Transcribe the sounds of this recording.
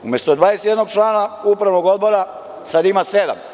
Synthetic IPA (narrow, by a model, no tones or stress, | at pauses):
umjest̪od̪ʋaːest̪jed̪noɡt͡ʃlˠaːnaupɾaʋnoɡo̞d̪̚bo̞ɾa | sad̪imased̪a̰m